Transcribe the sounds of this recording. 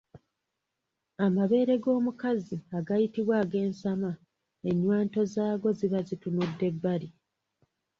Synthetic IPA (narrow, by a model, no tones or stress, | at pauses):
amaβe̞ːɾe̞ɡo̞ːmukaziaɡajitiβwaːɡe̞ːnsama | eɲːwaːnto̞zaːɡo̞ziβazitunudːe̞bːaɾi